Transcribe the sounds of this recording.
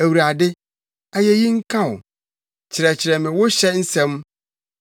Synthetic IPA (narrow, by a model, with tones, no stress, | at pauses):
æ˨wu˨ɾa˨dɪ˦ | a˨jɛ˦ji˦ŋ̩˦kʰã˦˨ʊ˨ | t͡ɕʰɪ˨ɾɛ˨t͡ɕʰɪ˨ɾɛ˨mɪ̃˨wʊ˦ɕɛ˦n̩˦sɛ̃˦m